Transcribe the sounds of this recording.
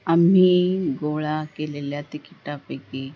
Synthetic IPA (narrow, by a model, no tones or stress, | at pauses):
am̤iːɡoɭakeleljat̪ikiʈapəjke